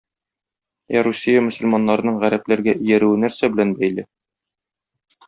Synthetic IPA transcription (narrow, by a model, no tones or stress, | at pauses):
jæɾusʲːijamɵ̆sə̆lʲmɑnːɑɾɤ̆nɤɴʁæɾæplæɾɡæʔɵ̆jæɾʉwɘnæɾsæbɘ̆lænbæjlɘ